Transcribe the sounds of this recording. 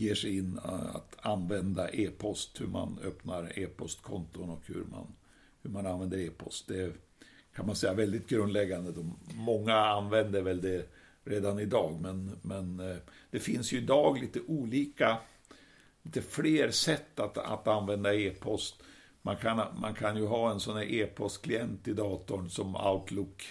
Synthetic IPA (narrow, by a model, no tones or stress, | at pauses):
jeːʂɛjɪnːa̰t̪ʰanvɛnd̪aʔeːpʰɔst̪hɵma̰nœ̰pnaɾeːpʰɔst̪kʰɔnt̪ʊnɔkhɵ̰ɾma̰n | hɵɾmananvɛnd̪əɾeːpʰɔ̰st̪̚d̪ɛæɾ | kʰanmansɛjːavɛld̪ɪt̪̚ɡɾɵnd̪lɛɡːand̪əd̪ɔmɔŋːaanːvɛnd̪əɾvɛld̪ɛ | ɾeːd̪anɪd̪ɑːɡmɛnmɛnd̪̥ɛfɪnsjɵɪd̪ɑːɡliːt̪əʔuːliːka | liːt̪əfleːɾsɛt̪ːat̪a̰t̪anvɛnd̪aeːpʰɔst̪ | mankʰanma̰nkʰanjɵɦɑːɛnsɔnːæʔeːpʰɔst̪̚kʰlɪɛnt̪ɪd̪ɑːt̪ʊɳsɔma̰ʊt̪lʊkː